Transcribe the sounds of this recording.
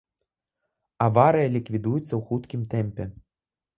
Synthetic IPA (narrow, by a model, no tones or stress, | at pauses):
avaɾɨjɐlʲikvʲid̪ujut̪sːɐwxut̪kʲimt̪ɛmpʲɛ